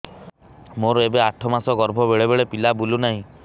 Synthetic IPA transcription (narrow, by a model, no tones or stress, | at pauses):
moɾebeaʈʰɔmasɔɡɔɾbʱɔbeɭebeɭepilabulunaɦĩ